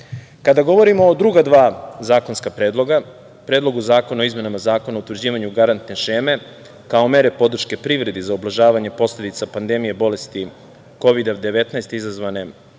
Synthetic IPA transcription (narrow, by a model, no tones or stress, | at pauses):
kad̪aɡo̞ʋo̞ɾimoːd̪ɾuɡad̪ʋaːzaːko̞nskapɾeːd̪lˠo̞ɡa | pɾeːd̪lˠo̞ɡuzaːko̞naoizme̞namazaːko̞naout̪ʋɾd͡ʑiːʋaɲuɡaɾant̪neʃeːme̞ | kaome̞ɾe̞po̞d̪r̩ʃke̞pɾiʋɾe̞d̪izaublaʒaːʋaɲe̞po̞sle̞d̪it̪sapand̪emijebo̞le̞st̪i | ko̞ʋid̪ad̪e̞ʋe̞t̪naest̪izazʋane̞